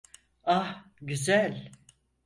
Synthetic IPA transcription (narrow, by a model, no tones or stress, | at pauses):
ah | ɟyzælʲ